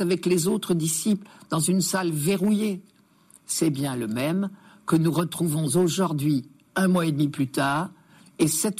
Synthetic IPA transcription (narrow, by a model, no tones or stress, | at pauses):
avɛklezot̪χəd̪isipld̪ɑ̃zynsalveʁuje | sɛbjɛ̃ləmɛmkənuʁət̪χuvɔ̃zoʒuʁd̪ɥi | ɛ̃mwaed̪miplyt̪aːʁ | esɛt̪